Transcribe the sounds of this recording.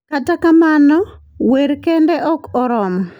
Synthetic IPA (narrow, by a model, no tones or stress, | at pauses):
katakamanɔ | weɾkendɛʔɔkɔɾɔmɔ